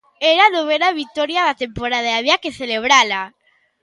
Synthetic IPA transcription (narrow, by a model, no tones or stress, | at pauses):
eɾanoβenaβik̚t̪ɔɾjaðat̪empoɾaðaaβiakeθeleβ̞ɾala